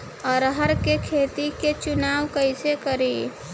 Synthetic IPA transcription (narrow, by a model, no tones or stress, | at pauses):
ɔːɾɦəɾkekʰeːt̪iket͡ʃʊnaːwkəɪsekəɾi